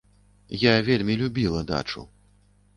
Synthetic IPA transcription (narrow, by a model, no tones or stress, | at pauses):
javʲelʲmʲilʲubʲilˠɐd̪a̰t͡ʂṵ